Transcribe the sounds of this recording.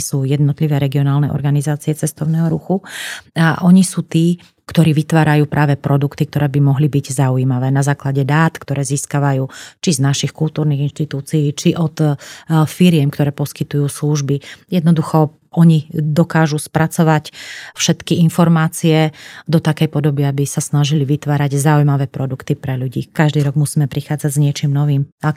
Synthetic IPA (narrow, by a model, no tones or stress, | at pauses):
suːjɛd̪nɔt̪liʋɛːɾɛɡiɔnaːlnɛʔɔ̰ɾɡanizaːt͡siɛt͡sɛst̪ɔʊnɛːɦɔɾuxuaʔɔɲisuːt̪iː | kt̪ɔɾiːʋit̪ʋaːɾajuːpɾʔaːʋɛpɾɔd̪ukt̪ik̚t̪ɔɾɛːbimɔɦlibiɟzaujiːmaʋɛːnazaːklaɟɛd̪aːt̪kt̪ɔɾɛːziːskaʋajuːt͡ʃiznaʃixkulˠt̪uːɾniɣinʃt̪it̪uːt͡siiːt͡ʃiʔɔt̪ | fiɾɪɛmkt̪ɔɾɛːpɔskit̪ujuːsluʒbijɛd̪nɔd̪uxɔ | ɔɲid̪ɔkaːʒuspɾat͡sɔʋacfʃɛt̪kiinfɔɾmaːt͡siɛd̪ɔt̪akɛjpɔd̪ɔbiabisasnaʒiliʋit̪ʋaːɾaɟzaujmaʋɛːpɾɔd̪ukt̪ipɾɛʎuɟiːkaʒd̪iːɾɔɡmusiːmɛpɾixaːd͡zaɟzɲɪɛt͡ʃiːmnɔʋiːma